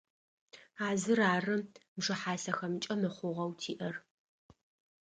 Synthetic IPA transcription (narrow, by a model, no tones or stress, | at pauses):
aːzɨraːrɨmʐɨħaːsɐxɐmt͡ʃʼɐmɨχʷʊʁɐwtʰiːʔɐr